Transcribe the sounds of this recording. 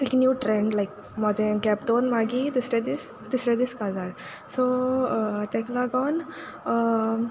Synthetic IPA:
iknjuːʈɾẽɳɖlaɪk̚ | mɔd̪ɛnɡɛp̚d̪onmaɡid̪usɾed̪is | d̪isɾed̪iskad͡zaɽ | so | t̪ɛ̃klaɡawn

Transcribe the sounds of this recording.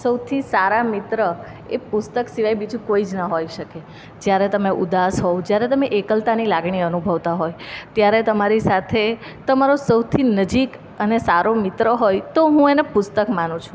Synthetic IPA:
səwt̪ʰisaɾamɪt̪ɾə | epʊst̪əksiʋajbid͡ʒũkoid͡ʒnəɦojʃəke | d͡ʒjaɾet̪əmeʔud̪asɦod͡ʒjaɾet̪əmeʔekəlt̪anilaɡɳiənubʱəʋt̪aɦojt̪jaɾet̪əmaɾisat̪ʰet̪əmaɾosəwt̪ʰinəd͡ʒik | ənesaɾomɪt̪ɾəɦojt̪oɦũenepʊst̪əkmanũt͡ʃʰũ̥

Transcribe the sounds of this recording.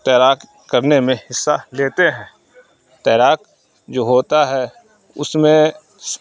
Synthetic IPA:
t̪ɛːɾaːk | kɐɾnemẽhɪsːaleːt̪eɦɛ̃ː | t̪ɛːɾaːk | d͡ʒoːɦoːt̪aɦɛ | ʊ̰smẽ | s

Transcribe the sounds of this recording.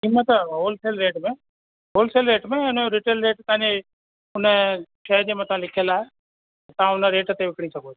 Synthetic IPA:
kimət̪əɦoːlseːlɾeːʈmẽː | ɦoːlseːlɾeːʈmẽʊnɾɪʈeːlɾeːʈt̪ɐãːd͡ʑe | ʊnəʃʰeːd͡ʑeːmãt̪ãlɪkʰəlaːɦe | t̪ãʊnəɾeːʈt̪eʋɪkɽ̃isəɡʱo

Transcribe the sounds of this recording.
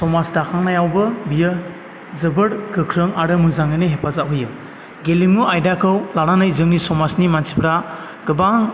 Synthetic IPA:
sɔmasdakʰaŋnajawbɯbijɯ | zɯbɯɾɡɯkʰɾɯŋaɾɯmɯzaŋɯjnɯɦepʰazaɦɯjɯ | ɡelimuajdakʰɯwlaɾanajzɯŋnisɔmasnimansi̥pʰɾa | ɡ̥ɯbaŋ

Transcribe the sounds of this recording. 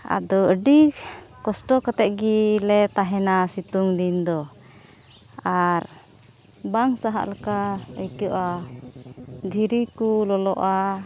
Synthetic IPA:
a̰d̪ɔəɖikɔsʈɔkat̪ɛʔ̪̚ɡilɛt̪aɦɛnasit̪uŋd̪ind̪ɔ | aɾ | baŋsaɦa̰ʔlakaəjkuʔa | d̪ʱiɾikulɔlɔʔa

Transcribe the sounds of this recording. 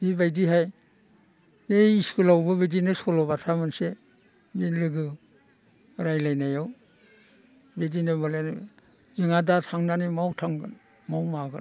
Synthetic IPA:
bibajdiɦaj | ejiskulawbɯbedinɯsɔlɔbatʰamɯnse | binlɯɡɯ | ɾajlajnajɔw | bedinɯmɯlani | zɯŋadatʰaŋnanimawtʰaŋɡɯn | mawmaɡɯ

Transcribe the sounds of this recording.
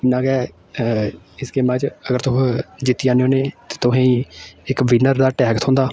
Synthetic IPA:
ɪnãːɡɛː | ɪskeːmãːt͡ʃəɡəɾt̪ʊkd͡ʒɪt̪ːiãːneoːneːt̪e̥ːt̪ʊɦãːĩːɪkʋɪnəɾd̪aːʈɛːkt̪ʰɦʊ̃nd̪aː

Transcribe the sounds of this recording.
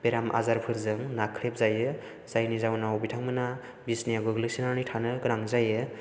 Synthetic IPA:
beɾamʔa̰zaɾpʰɯɾzɯŋnakʰɾep̚zajɯ | z̥ajnizawnawbitʰaŋmɯna | bisnijaɡɯɡɯlɯksinaɾnitʰanɯɡɯɾaŋzajɯ

